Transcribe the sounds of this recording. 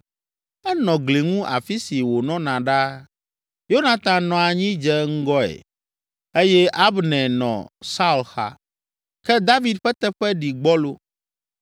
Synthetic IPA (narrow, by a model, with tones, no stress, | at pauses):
ɛ˦nɔ̃˨ɡle˨ŋũ˦ʔa̰˨fi˦si˨wo˨nɔ̃˦nã˨ɖa˦ | jo˦nã˨t̪ã˨nɔ̃˨a˨ɲĩ˦d͡ʒɛ˦ŋ̩˦ɡɔ˦ḛ˨ | e˦jɛ˦ʔa˦bnɛ̃˨nɔ̰̃˨sa˦u˨lxa̰˦ | kɛ˦d̪a˦vi˨d̪̚ɸɛ˦t̪ɛ˦ɸɛ˦ɖi˨ɡ͡bɔ˦lo˦